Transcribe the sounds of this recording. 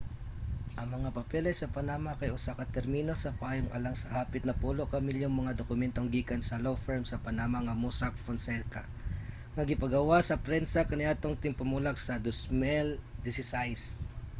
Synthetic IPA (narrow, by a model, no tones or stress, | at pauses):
ʔɐŋmɐŋapɐpɛlɐjsɐpɐnaːmakɐjʔʊsakɐt̪ɛɾmino̞sɐpɐaːjoŋʔɐ̰laŋsɐhaːpɪt̪nɐpuːloʔkɐmɪljoŋmɐŋad̪okʊmɛnt̪oŋɡiːkɐnsɐlofɛɹmsɐpɐnamaŋɐmusak̚fonsɛlka | ŋɐɡɪpɐɡɐwasɐpɾɛnsɐkɐnɪʔat̪oŋt̪ɪŋpʊmulaɡsɐd̪ʊsmɛld̪ɪsɪsajs